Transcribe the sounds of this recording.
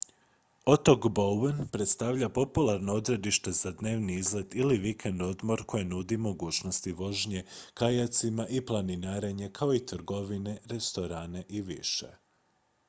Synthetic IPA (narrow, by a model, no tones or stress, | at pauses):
o̞t̪o̞kboenpɾe̞t̪st̪aʋʎapo̞pulˠaɾno̞o̞d̪ɾe̞d̪iʃt̪e̞zad̪ne̞ːʋniizle̞d̪iliʋikʰend̪o̞d̪mo̞ɾkʰo̞jenud̪imo̞ɡuːt͡ʃno̞st̪iʋo̞ʒɲe̞kajat̪simaʔiplˠaninaːɾe̞ɲe̞kʰao̞it̪ɾɡo̞ʋine̞ɾe̞st̪o̞ɾaːne̞ʔiʋḭʃḛ